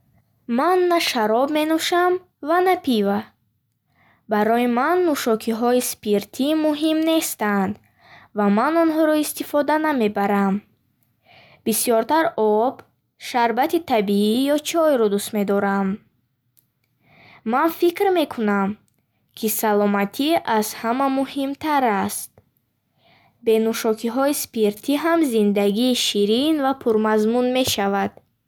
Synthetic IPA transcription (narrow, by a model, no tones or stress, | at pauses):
manːaʃaɾɔbme̞nuʃam | vanapʰiva | baɾɔjimanːuʃɔkʰiɦɔispiɾt̪ʰimuɦimne̞st̪and̪ | vamanɔnɦɔɾɔist̪ifɔd̪aname̞baɾam | bisjɔɾt̪ʰaɾɔb | ʃaɾbat̪it̪ʰabiijɔt͡ʃʰɔjɾɔd̪ust̪me̞d̪ɔɾam | manfikɾme̞kʰunam | kʰisalɔmat̪ʰiʔazhamamuhimt̪ʰaɾast̪̚ | be̞nuʃɔkʰiɦɔispiɾt̪ʰiɦamzind̪aɡiːʃiɾinvapʰuɾmazmunme̞ʃavad̪̥